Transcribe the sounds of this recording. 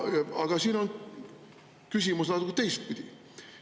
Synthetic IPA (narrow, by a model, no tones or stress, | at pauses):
ɑɡ̥ɑsiːno̞n | kysʲimusnɑt̪ukːt̪ejst̪̚pid̪̥i